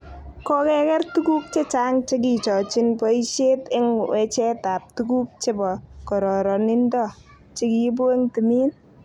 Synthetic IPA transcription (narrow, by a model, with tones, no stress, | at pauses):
kɔ˦kɛ˦kɛ˦rtu˦ku˦k̚t͡ʃe˦t͡ʃa˦ŋt͡ʃe˦k̬i˨t͡ʃɔ˨t͡ʃɪ˦npɔ˦i˦ʃe˦tɪ˦ŋwɛ˨t͡ʃɛ˦ta˨p̚tuku˦k̚t͡ʃe˦bɔ˨kɔ˨ɾɔ˨ɾɔ˨nɪ˦ndɔ˦ | t͡ʃe˦ki˨bo˦e˦ŋti˨miː˦n